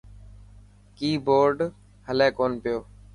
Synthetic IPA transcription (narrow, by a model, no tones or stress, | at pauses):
kiːboːɾɖ | həlẽːkoːnpɪjoː